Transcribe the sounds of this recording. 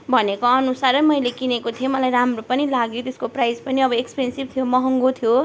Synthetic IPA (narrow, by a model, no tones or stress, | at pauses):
bʱʌnekoʌnusaɾʌmʌjlekinekot̪ʰijomʌlajɾamropʌnilaɡjot̪eskoprajd͡zpʌniʌbʌekspensib̚t̪ʰijomʌɦʌŋɡot̪ʰijo